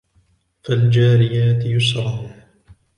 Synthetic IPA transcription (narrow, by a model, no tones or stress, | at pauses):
fald͡ʒaːɾɪjaːt̪ɪjʊsɾˤɑ